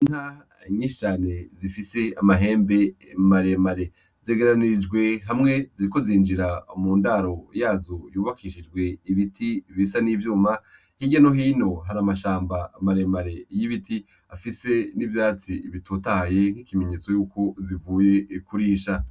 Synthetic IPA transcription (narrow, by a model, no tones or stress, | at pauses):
inha | ɲiːʃt͡ʃaːne̞zifise̞amaɦe̞ːmbe̞maɾe̞maɾe̞ | z̥eɡeɾaniɾid͡ʒɡwe̞ɦamŋe̞ziɾiko̞ziːnd͡ʒiɾamuːndaɾo̞jaːzojuːβakʰiʃid͡ʒɡwe̞iβitʰiβisanivjuːma | hiɟanoɦiːno̞ɦaɾamaʃaːmbaːmaɾemaɾe̞jiβiti | afise̞nivjaːt͡siiβitʰotahaje̞ŋ̥hikime̞ɲe̞ːt͡so̞juːko̞zivuːje̞kuɾiːʃa